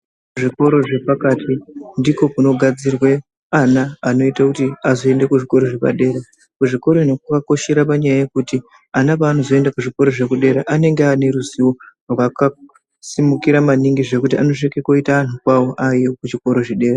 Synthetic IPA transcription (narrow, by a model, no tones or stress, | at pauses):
uʐiko̞ɾo̞ʐe̞pakatʰindiko̞kuno̞ɡʱad͡zirwe̞ | anaːno̞itakutiazo̞e̞ndekuʐiko̞ɾo̞ʐepa̰ɗe̞ːɾa | kuʐiko̞ɾo̞ino̞k̚akako̞ʃe̞ɾapaɲajaje̞kuti | anaʋaːno̞zo̞e̞ndakuʐiko̞ɾo̞ʐe̞kuɗe̞ɾaʔane̞ŋɡeane̞ɾuziworwaka | simukiɾamaniŋɡiʐe̞kutiano̞ʐekeko̞itaːn̤ukwawo̞ʔajokut͡ʃiko̞ɾo̞ʐiɗe̞ːɾa